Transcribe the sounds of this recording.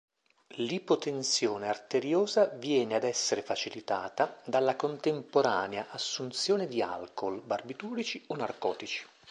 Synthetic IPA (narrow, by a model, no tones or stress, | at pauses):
lipot̪ent̪sjoːneart̪eɾjoːzavjɛːnead̪ɛsːeɾefat͡ʃilit̪aːt̪ad̪alːakont̪empoɾaːneaʔasːunt̪sjoːned̪ia̰lkolbarbit̪uːɾit͡ʃionːarkɔ̰ːt̪it͡ʃi̥